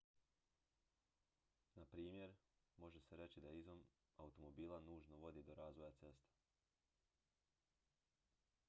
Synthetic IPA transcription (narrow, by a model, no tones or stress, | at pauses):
napɾiːmje̞ɾmo̞ʒe̞seɾe̞t͡ɕid̪aizom | aut̪o̞mo̞biːlˠanuːʒno̞ʋo̞d̪id̪o̞ɾaːzʋo̞jat̪se̞st̪ḁ